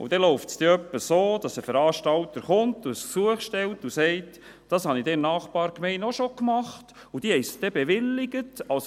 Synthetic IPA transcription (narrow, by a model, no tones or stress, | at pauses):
ṵd̥ɛloʊftsd̥̪ɛœpːəsoːd̥ɑsəfəɾɑːʃtɑlt̪əɾχʊntussuəχʃtɛltusɛɪt | d̥ɑshɑnidɛmnɑːχbɑːɾkmɛɪnɔʃokmɑχt | ud̥ihɛjsd̥̪ɛbeʋɪlːɪɡ̥ətɑls